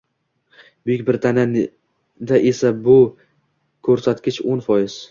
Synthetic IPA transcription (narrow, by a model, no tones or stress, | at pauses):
b̥ʊjɪkʲbɪɾt̪ʰanan | d̪aʔe̞sabʊ | kʰɵɾsat̪kʲɪt͡ʃonfɒjɪz̥